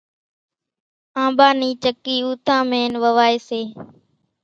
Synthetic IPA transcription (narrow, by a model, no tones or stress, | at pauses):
ãːbaːniːt͡ʃəkiːuːt̪ʰãːmeːnʋəʋaːeːseː